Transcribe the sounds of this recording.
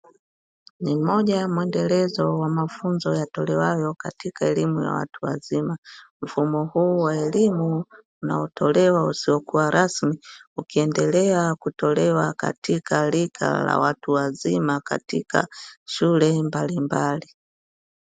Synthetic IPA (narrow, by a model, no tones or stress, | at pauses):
nimɔʄajmwɛndɛlɛzɔwamafunzɔjatɔlɛwajɔkatikaɛlimuja̰wa̰tuwa̰zimam̩fumɔhuːwaɛlimuː | na̰ɔtɔlɛwausiɔkuwaɾʔasmiukiɛndɛlɛakutɔlɛwaka̰tikalikʰa̰la̰watuwazimaka̰tika̰ʃulɛmbalimbali